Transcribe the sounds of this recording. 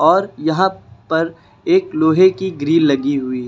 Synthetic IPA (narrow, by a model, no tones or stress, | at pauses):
ɔːɾjɐɦãpɐɾ | eːkloːɦekiɡɾiːlːɐɡiɦʊi